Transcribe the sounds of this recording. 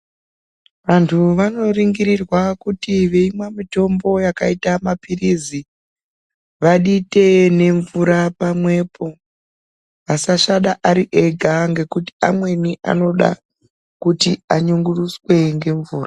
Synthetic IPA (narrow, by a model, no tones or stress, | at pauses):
ʋantʰuʋano̞riŋɡiɾirwakutiʋe̞imwamito̞mbo̞jakaitamapirizi | ʋaɗite̞ne̞ɱvuɾapamwe̞pʰo̞ | ʋasaʃaɗaʔaɾiʔe̞ɡʱaŋɡe̞kuti̥amwe̞niʔa̰no̞ɗa̰ | kutiaɲuŋɡuruswe̞ŋɡe̞ɱvuːra